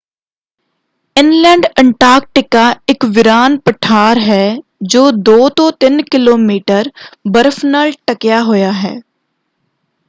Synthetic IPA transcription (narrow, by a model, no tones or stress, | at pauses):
ɪnlɛ̃ːɳɖɛ̃ɳʈaːɾk̚ʈɪkːaɪkʋɪɾaːnpəʈʰaːɾɦɛːd͡ʒoːd̪oːt̪ɔːt̪ɪnkɪloːmiːʈəɾbəɾfnəlʈɐkjaɦʊjaɦɛ̰ː